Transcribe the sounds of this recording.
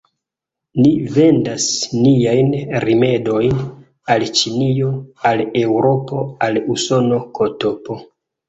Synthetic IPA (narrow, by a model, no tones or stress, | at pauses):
nive̞ndasnijajnɾime̞do̞jn | alt͡ʃinio̞ale̞wɾo̞po̞aluso̞no̞kʰo̞to̞po̞